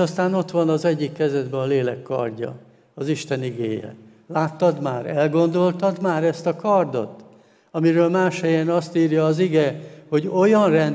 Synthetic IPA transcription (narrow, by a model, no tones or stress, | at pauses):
ɒst̪aːno̞t̪ʋɒnɒzɛɟːikːɛzɛd̪bɛɒleːlɛkːɒ̰rɟɒ̰ | ɒziʃt̪ɛniɡḛːjɛ̰ | laːt̪ːɒd̪maːɾɛlɡo̞nd̪o̞lt̪ɒd̪maːɾɛst̪ɒkɒrd̪o̞̰t̪ | ɒmiɾøːlmaːʃhɛjɛnɒst̪iːrjɒːziɡɛho̞ɟo̞jɒnrɛn